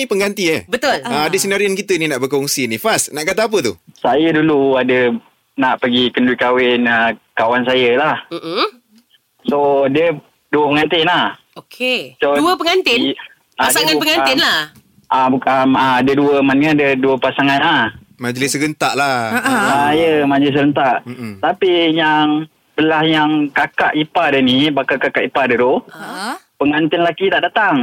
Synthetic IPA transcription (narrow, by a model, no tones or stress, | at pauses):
ipəŋɡant̪iəbət̪ʊlaadəsənaɾiənkit̪əninaʔbəkɔŋsinifasnaʔkat̪aap̬ət̪usajəduluadə | naʔpəɡikənduikawɪnəkawansajəlahm̩ʔm̩ | sodiə | duəpəŋant̪ɪnah | okʰesoduəpəŋant̪ɪn | aadaiəŋãupəŋanaɪnlah | ʔabukanadəduəmanŋandəduəpasaŋanah | mad͡ʒlɪsɡənt̪aʔlaaajəmad͡ʒəlɪs̬əɾənt̪aʔt̪apijaŋ | bəlahjaŋkakaʔipadənibakakakaʔipadədo | pəŋant̪ɪnlakit̪aʔdat̪aŋ